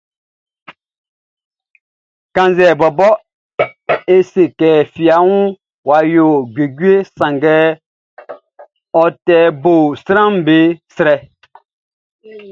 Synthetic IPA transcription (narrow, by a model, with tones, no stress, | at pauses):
kã˨nzɛ˨bɔ˨bɔ˦ | e˦se˨kɛ˨fi˨a˨˦wũ˦ | wa˨jo˨ɡe˨ɡi˦e˦sã˨ŋɡɛ˦ | ɔ˨tɛ˨bo˨sɾã˦m˦be˨˦sɾɛ˨